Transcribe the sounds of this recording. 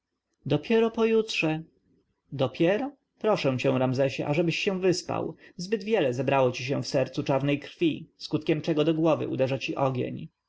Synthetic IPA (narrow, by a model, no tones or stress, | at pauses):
d̪ɔpʲjɛɾɔpɔjutʂɛ | d̪ɔpʲʰɛɾɔ | pɾɔʂɛ̃w̃t͡ɕɛ̃w̃ɾamzɛɕɛ̰ʔaʐɛbɘɕːɛ̃w̃vɘspa̰wzbɘd̪vʲjɛlɛzɛbɾawɔt͡ɕiɕɛ̃w̃fsɛɾt̪sut͡ʂaɾnɛjkɾfʲiskut̪kʲɛmt͡ʂɛɡɔd̪ɔɡwɔvɘ̰ʔṵd̪ɛʐat͡ɕiʔɔɡʲḛɲ